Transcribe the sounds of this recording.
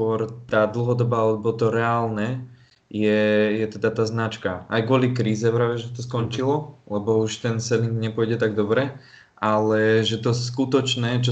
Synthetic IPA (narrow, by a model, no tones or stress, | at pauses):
ʊɔɾt̪aːd̪l̩ɦɔd̪ɔbaːlɛbɔt̪ɔɾɛaːlnɛ | jɛjɛt̪ɛd̪at̪aːznat͡ʃkaajkʊɔlikɾiːzɛpɾaːʋɛʒɛt̪ɔskɔnt͡ʃilɔlɛbɔuʃt̪ɛnsɛliŋɡɲɛpʊɔjɟɛt̪aɡ̚d̪ɔbɾɛ | ʔalɛʒɛt̪ɔskut̪ɔt͡ʃnɛt͡ʃɔ